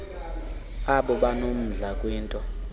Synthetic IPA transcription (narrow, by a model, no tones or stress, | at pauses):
aɓɔɓanom̩ɮakʼwiːntʼɔ